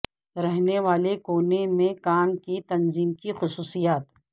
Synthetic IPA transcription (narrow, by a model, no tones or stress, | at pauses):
ɾɛɦneʋaːlekoːnemẽkaːnkit̪ɐnziːmkixʊsuːsijaːt̪